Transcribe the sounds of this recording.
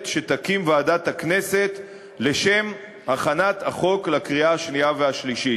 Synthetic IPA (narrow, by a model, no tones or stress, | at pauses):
tʃetakimvaːdathakne̞se̞t̪ | le̞ʃe̞m | aχanataχo̞klakʁiaaʃnijaveaʃliʃi